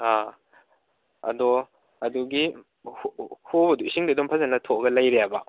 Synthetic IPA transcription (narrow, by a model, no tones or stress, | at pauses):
a | ɐ̰dɔ | ɐduɡi | hhobɐduisiŋdidɔmpʰazɐnɐtʰoɡɐlajɾeabɐ